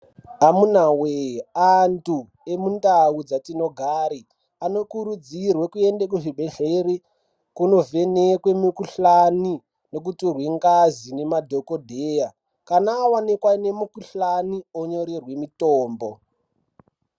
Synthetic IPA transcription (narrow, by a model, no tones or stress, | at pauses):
amunaweantu | emundaud͡zatino̞ɡʱaːɾi | ano̞kuɾud͡zirwekue̞ndekuʐibʱe̞ɮeri | kuno̞ve̞nekwemukuɬani | no̞k̬utirweŋɡazine̞madʱokodʱeːja | kanaːwanekwanemukuɬanioɲo̞ɾirwe̞mitoːmbo̞